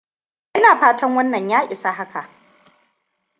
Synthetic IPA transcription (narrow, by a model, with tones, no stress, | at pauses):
ʔɪ˦naː˨ɸaː˦tɐ˦ŋwɐ˦nːɐ˨ɲjaː˦ʔʲʼɪ˨sa˦ɦa˦ka˨ʔ